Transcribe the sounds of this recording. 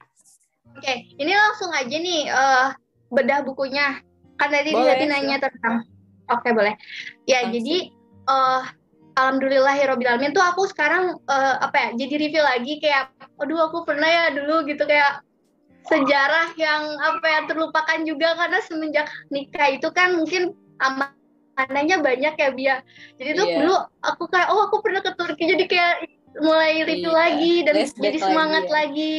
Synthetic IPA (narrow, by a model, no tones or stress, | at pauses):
okeinilaŋsʊŋad͡ʒanihəː | bədahbukuɲa | kant̪adisat̪inaiɲat̪ənt̪aŋ | okebolɛhjad͡ʒadi | ʔə | alamdulilaɦiɾɔbit̪almɪnt̪uakusə̥kaɾaŋəːapajad͡ʒadiɾifilaɡikajaʔoduakupərnahjaduluɡit̪ukajaʔ | səd͡ʒaɾahjaŋapajat̪ərlupakand͡ʒuɡakarnasəməɲd͡ʒaknikait̪ukanmuŋkɪn | ama | anaɲabaɲakjabiad͡ʒadit̪udulua̰kukajaʔɔakupərnahkət̪urkid͡ʒadikajaʔ | mulajɾifilaɡidand͡ʒadisəmaŋat̪̚laɡi